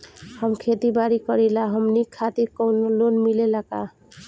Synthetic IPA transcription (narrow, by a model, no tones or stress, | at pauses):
həmkʰet̪ibaɾikʌɾilaɦəmnikʰːat̪iɾkɔwnlonmilelaka